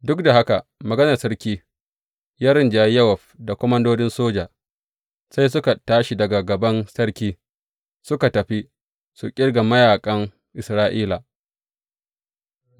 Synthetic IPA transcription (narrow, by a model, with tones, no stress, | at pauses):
dʊ˦k̚da˨ha˦ka˨mɐ˨ɡɐ˦nɐ˨sɐ˦ɾkʲiː˦ | jaː˦ɾɪ˦nd͡ʒa˨jɐ˦wɐ˨ɸda˨kʷɔ˦mɐ˦ndoː˦dɪ˦nsoː˦d͡ʒaː˨ | sa˦js̬ʊ˦ka˨taː˦ʃi˨dɐ˨ɡa˨ɡɐ˨bɐ˦nsɐ˦ɽkʲiː˦ | sʊ˦ka˨tɐ˨ɸi˦ | su˨kʲʼɪ˦ɽɡa˨mɐ˦jaː˨kʼɐ˦ŋ | ʔɪ˨sɾaː˦ʔiː˦la˨